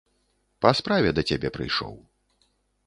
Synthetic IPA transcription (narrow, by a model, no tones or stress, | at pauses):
pɐspɾavʲɛd̪ɐt͡sʲabʲɛpɾɨ̰jʂɔ̰w